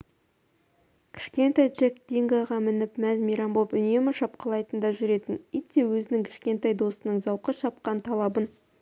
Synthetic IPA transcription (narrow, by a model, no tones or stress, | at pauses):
kʲʰɪ̥ʃkʲe̞nt̪ɑjd͡ʒekd̪eŋɡɑʁɑmɪnɪpmæzmʲiɾɑmbopʏne̞mɪʃɑp̚qɑlˠɑjt̪ənd̪ɑʒʏɾe̞t̪ɪnit̪ːewɵzɪnɪŋkʲʰɪ̥ʃkʲe̞nt̪ɑjd̪o̞sənəɴzɑwqəʃɑp̚qɑnt̪ʰɑlˠɑbən